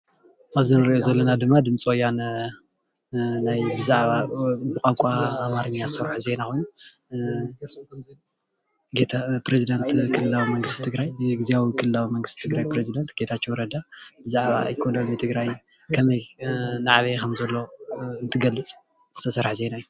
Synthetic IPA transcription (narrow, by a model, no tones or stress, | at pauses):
ʔaβzɨnɨɾiʔozɐlːɐnad̪ɨmːad̪ɨmt͡sʼojːan | najbɨzaʕβabɨkʼamkʷʼaːmaɾɨɲːaɨsɐɾħuze̞nakʰo̞jnu | ɡet̪ʰapɾezid̪ɐnt̪kʰɨlɨlawimɐŋɡɨst̪ʰit̪ʰɨɡɾajɡiziawikʰɨlɨlawimɐŋɡɨst̪ʰit̪ʰɨɡɾajpɾezid̪ɐnt̪ɡe̞t̪ʰat͡ʃːowɾɐd̪abɨzaʕβa̰jkʰonɐnmit̪ʰɨɡɾaj | kʰɐmɐjnaʕβekʰɐmzɐlːo̞ɨnt̪ʰɨɡɐlːɨt͡sʼ | z̥ɨt̪ʰɐsɐɾħze̞naju